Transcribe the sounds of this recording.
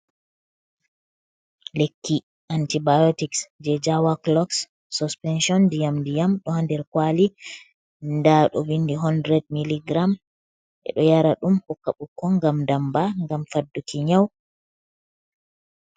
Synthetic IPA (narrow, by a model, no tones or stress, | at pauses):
lekːi | ʔantibajotiksd͡ʒɛd͡ʒawaklɔksː | uspɛnʃɔndijamdijamɗɔhandɛɾkwali | ndaɗɔ̰windiɦɔndɾɛd̚miliɡɾam | ʔɛ̰ɗɔjaɾaɗumpɔkːaɓukːɔŋɡamdambaŋɡamfadːukiɲaw